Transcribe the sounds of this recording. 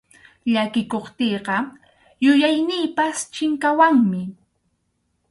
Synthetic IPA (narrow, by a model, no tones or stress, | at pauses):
ʎakɪkoχt̪eːɢɑ | jʊjajnɪːpast͡ʃɪŋkawaŋmɪ